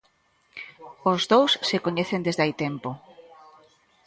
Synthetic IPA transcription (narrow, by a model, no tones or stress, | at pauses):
ozðowsːekoɲeθend̪ezðajt̪empo